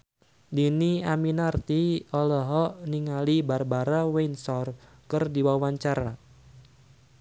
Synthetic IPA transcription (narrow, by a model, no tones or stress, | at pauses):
diniaminart̪iɔlɔɦɔʔniŋalibarbaɾawensɔrkɨrdiwawaɲt͡ʃaɾa